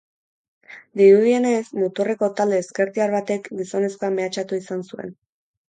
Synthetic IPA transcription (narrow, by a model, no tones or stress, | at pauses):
d̪iɾuð̞ie̞ne̞smut̪ore̞ko̞t̪ald̪eːske̞ɾt̪iaɾβat̪e̞kɡiso̞ne̞sko̞ame̞at͡ʃat̪uisansue̞̰n